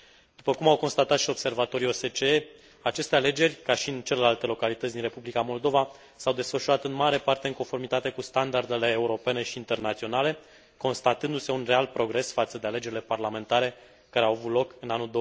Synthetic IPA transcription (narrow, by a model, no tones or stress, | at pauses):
d̪̥upəkumawko̞nst̪at̪at̪ʃio̞bse̞rvat̪o̞ɾio̞se̞t͡ʃee | at͡ʃe̞st̪e̞ale̞d͡ʒe̞rʲkaʃiɨnt͡ʃe̞le̞lalt̪e̞lo̞kalit̪ət̪sd̪inre̞publikamo̞ld̪o̞va | sawd̪e̞sfəʃuɾat̪ɨnmaɾe̞part̪e̞ɨŋkonfo̞rmit̪at̪e̞kust̪and̪ard̪e̞le̞ːuɾo̞pe̞ne̞ʃiːnt̪e̞rnat̪sio̞nale̞ | ko̞nst̪at̪ɨnd̪use̞unre̞alpɾo̞ɡɾe̞sfat̪səd̪e̞ale̞d͡ʒe̞ɾʲile̞parlame̞nt̪aɾe̞ | kaɾeawavut̪lo̞kɨnanuld̪o